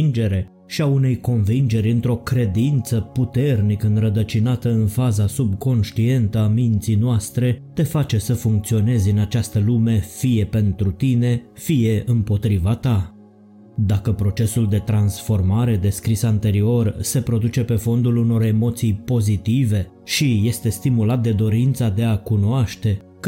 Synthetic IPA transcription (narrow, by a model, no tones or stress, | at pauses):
nd͡ʒe̞ɾe̞ | ʃiaune̞jko̞nvind͡ʒe̞ɾʲɨnt̪ɾo̞kɾe̞d̪int̪səput̪e̞rnikɨnrəd̪ət͡ʃinat̪əɨnfazasub̚ko̞nʃt̪ie̞nt̪əamint̪sijnoast̪ɾe̞t̪e̞fat͡ʃe̞səfuŋk̚t̪sio̞ne̞zʲɨnat͡ʃast̪əlume̞fije̞pe̞nt̪ɾut̪ine̞fije̞ʔɨmpo̞t̪ɾivat̪a | d̪akəpɾo̞t͡ʃe̞suld̪e̞t̪ɾansfo̞rmaɾe̞d̪e̞skɾisant̪e̞ɾio̞rse̞pɾo̞d̪ut͡ʃe̞pe̞fo̞nd̪uluno̞ɾe̞mo̞t̪sijpo̞zit̪ive̞ | ʃije̞st̪e̞st̪imulat̪̚d̪e̞d̪o̞ɾint̪sad̪e̞akunoaʃt̪e̞ | k